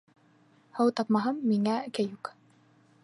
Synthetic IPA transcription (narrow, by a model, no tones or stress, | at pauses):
hɤwt̪ɑpmɑɦɤmːiŋækæjuk